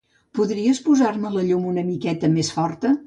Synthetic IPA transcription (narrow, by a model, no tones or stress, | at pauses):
puðɾiəspuzaɾmələʎumunəmikɛt̪əmesfɔɾt̪ə